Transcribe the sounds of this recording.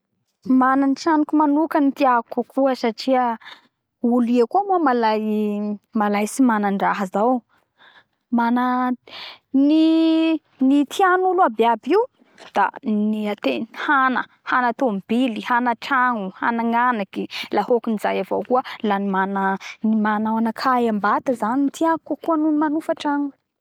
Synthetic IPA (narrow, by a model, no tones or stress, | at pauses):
mananiʈ͡ʂanikumanukənit̪iakukʰuəsaʈ͡ʂiə | uliakuamomalajmalajsimanaɳɖ͡ʐaɦəzaw | mana | ni | nit̪ʰianuluabeabiw | d̪̥a̰niat̪enihanə | hanat̪omb̥ilihanəʈ͡ʂaŋuha̰naŋanakilahokunizajavowkuəlanimanəimanawanakʰajambat̪əzanit̪ʰiakakuanunimanufaʈ͡ʂaŋu̥